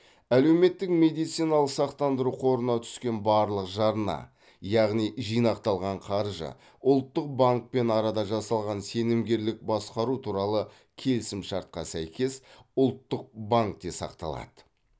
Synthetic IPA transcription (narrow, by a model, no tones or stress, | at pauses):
æle̞wme̞t̪ːɪkme̞d̪ijt̪sijnɑlˠəqsɑqt̪ɑnd̪əɾuqʰo̞ɾənɑt̪ʰʏ̥skʲe̞nbɑɾlˠəqʒɑɾnɑ̰ | jɑʁnijʒijnɑqt̪ɑlˠʁɑɴqʰɑɾʒə̰ | ʊlˠt̪ːəq̚baŋk̚pe̞nɑɾɑd̪ɑʒɑsɑlˠʁɑnse̞nɪmɡʲe̞ɾlɪk̚bɑsqɑɾut̪ʰuɾɑlˠə | kʲʰe̞lsɪmʃɑɾt̪̚qɑsæjkʲe̞sʊlˠt̪ːəq̚baŋk̚d̪esɑ̰qt̪ɑ̰lˠɑ̰d̪̥ə